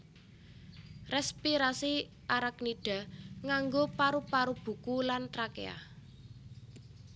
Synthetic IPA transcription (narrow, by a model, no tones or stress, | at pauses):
rɛspiɾasi | ʔaɾak̚niɖ̥a̤ŋaŋɡopaɾupaɾub̥ṳkulant̪ɾakḛa̰